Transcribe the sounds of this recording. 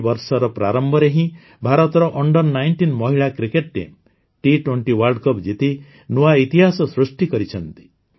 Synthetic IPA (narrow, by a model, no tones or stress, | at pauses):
bɔɾsɔɾɔpɾa̰ɾɔmbʱɔɾeɦĩ | bʱaɾɔt̪ɔɾɔʔɔɳɖɔnːajɳʈinmɔɦiɭakɾikeʈ̚ɾḛm | ʈiʈweɳʈiwaɾɖkɔpd͡ʒit̪i | nuait̪iɦasɔsɾusʈikɔɾit͡ʃʰɔnt̪i̥